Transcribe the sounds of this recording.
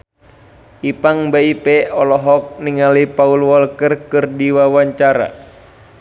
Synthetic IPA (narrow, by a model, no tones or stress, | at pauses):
ʔipaŋbaipɛɔlɔɦɔk̚niŋalipaulwɔlkərkɨrdiwawaɲt͡ʃaɾa̰